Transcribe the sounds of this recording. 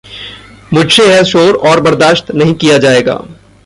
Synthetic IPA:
mʊɖʃeɦɛʃoːɾɔːɾbɐɾd̪aːʃt̪nɐɦĩkijad͡ʒaːeːɡa̰ː

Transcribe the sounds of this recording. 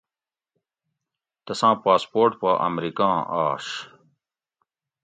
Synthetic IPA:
t̪ɐsãːpaːspoːʈpaʔɐ̰mɾikãːaːʂ

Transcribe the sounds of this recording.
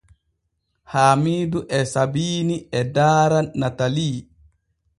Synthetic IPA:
haːmiːduʔɛsabiːniɛdaːɾanːataliː

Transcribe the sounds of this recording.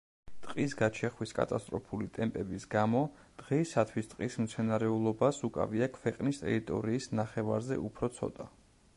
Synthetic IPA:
t̪ʼqʼisɡat͡ʃʰɛχwiskʼa̰t̪ʼast̪ʼɾɔpʰulit̪ʼɛmpʼɛbisɡamɔ | d̪̥ʁɛisat̪ʰwist̪ʼqʼismt̪sʰɛnaɾɛulˠɔbasukʼa̰viakʰwɛqʼnist̪ʼɛ̰ɾit̪ʼɔ̰ɾiːsnaχɛva̰ɾzɛ̰ʔupʰɾɔt̪sʰɔ̰t̪ʼa

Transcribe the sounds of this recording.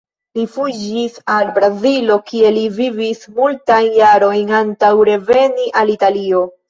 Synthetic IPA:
lifud͡ʒisalbɾazilo̞kie̞livivismultajnjaɾo̞jnantawɾe̞ve̞niʔalitalio̞

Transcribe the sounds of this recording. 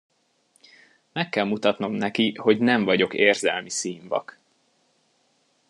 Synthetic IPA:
mɛkːɛlmut̪ɒt̪no̞mnɛkiho̞ɟnɛɱvɒɟo̞keːrzɛlmisiːɱvɒ̰k

